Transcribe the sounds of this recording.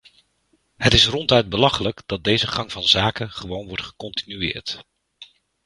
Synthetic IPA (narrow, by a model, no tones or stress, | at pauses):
ɦətɪsrɔntœɥd̚bəlɑχələkd̥ɑt̚d̚dejzəχɑŋvɑnzaːkənχəʋownʋɔɹtχə̥kɔntinyɪ̰ːɹt